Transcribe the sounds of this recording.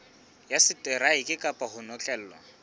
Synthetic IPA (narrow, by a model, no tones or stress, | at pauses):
jasɪtʼɛɾaɪkʼɪkʼapʼahʊnɔt͡ɬʼɛl̩ːɔ̰